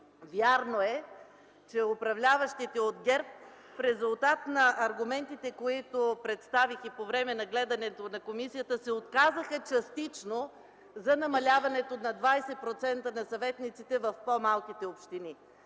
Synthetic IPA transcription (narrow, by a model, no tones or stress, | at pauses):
vʲjaɾnoɛ | t͡ʃɛopɾɐvlʲavɐʃt̪it̪ɛod̪ɡʲɛɾp | fɾɛzulˠt̪at̪nɐʔɐɾɡʊmɛnt̪it̪ɛkoit̪opɾɛt̪st̪avixipovɾɛmɛnɐɡlɛd̪ɐnɛt̪onɐkomisijət̪əsɛot̪kazəxət͡ʃɐst̪it͡ʃno | zɐnɐmɐlʲavɐnɛt̪onɐd̪vajsɛpɾot̪sɛnt̪ənɐsɐvɛt̪nit̪sit̪ɛvɐfpomalˠkit̪ɛopʃt̪ini